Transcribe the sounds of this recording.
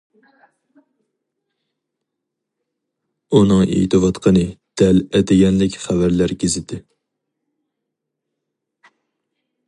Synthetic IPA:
unɨŋḛt̪ʰɨwɑt̪qʰənɨd̪̥ɛlɛd̪ɪɡʲɛnlɪkʲχævæɾlæɾkʲɪzɪd̪ɪ

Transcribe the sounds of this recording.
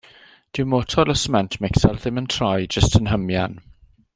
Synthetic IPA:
d̥ɪmɔːtʰɔləsmɛntʰmɪksɛlðɪ̃mə̃ntʰɹ̥ajd͡ʒəstɪ̃nɦəmjan

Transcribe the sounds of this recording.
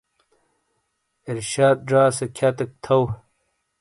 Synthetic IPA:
iɾɕaːd̪̚ɖaːsekʲʰat̪ɐk̚t̪ʰɐw

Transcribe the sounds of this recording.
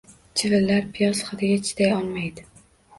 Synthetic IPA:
t͡ʃʰɪvɪlːaɾpʰijɒsχɨd̪ʰɪɡʲat͡ʃʰɪ̥t̪ajɒlˠmajd̪ɪ

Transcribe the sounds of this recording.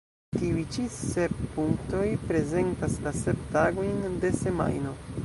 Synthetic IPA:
tiujt͡ʃise̞p̚puŋkto̞jpɾe̞ze̞ntaslase̞ptaɡo̞jnde̞se̞ma̰jno̞

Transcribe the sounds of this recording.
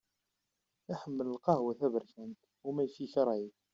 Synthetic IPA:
æħəmːələlqɑhwæθævəɾçænt̪ | umæjfiçɑɾˤɑjəθ

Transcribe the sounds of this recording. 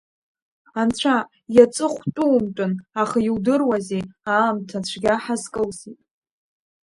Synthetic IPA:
ant͡ɕʷʰa | jat͡sʼɨχʷtʼuwmtʼʊnaχajiwdɨrwazeaːmtʰat͡ɕʷʰɡʲaħazkʼɨlzitʼ

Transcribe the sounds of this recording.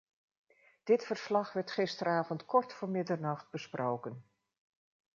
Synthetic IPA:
d̥ɪtfəɹslɑχʋɛɹtχɪstəɾaːvɔntkɔɹtfʊːɹmɪdəɹnɑχt̚bəsprʔowkən

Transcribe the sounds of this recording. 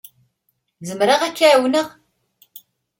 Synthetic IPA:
zəmɾəʁækːaʕwnəʁ

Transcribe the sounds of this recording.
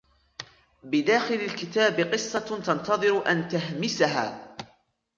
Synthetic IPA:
bɪd̪aːxɪlalkɪt̪aːbɪqɨsˤːɑt̪ɑnt̪ɑðˤɨɾʊʔant̪aɦmɪsaɦa̰ː

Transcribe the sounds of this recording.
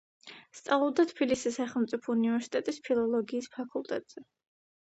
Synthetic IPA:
st̪sʼavlˠɔbd̪at̪ʰbilisisaχɛlˠmt̪sʼipʰɔunivɛɾsi̥t̪ʼɛt̪ʼispʰilˠɔlˠɔɡiːspʰakʰulˠt̪ʼɛt̪ʼz̥ɛ

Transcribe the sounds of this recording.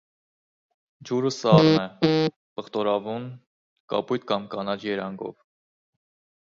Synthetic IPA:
d͡ʒuɾəsɑrnɛ | pəχt̪ɔɾɑvun | kɑ̰pujt̪̚kɑmkɑnɑt͡ʃjɛɾɑŋɡɔ̰v

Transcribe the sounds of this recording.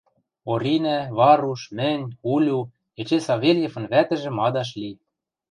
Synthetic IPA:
oɾʲinæβɑɾuʃmɘ̆nʲulʲu | et͡ɕesɑβʲelʲjefɤ̆nβæt̪ɘ̆ʒĕmɑd̪ɑʃ̬lʲi

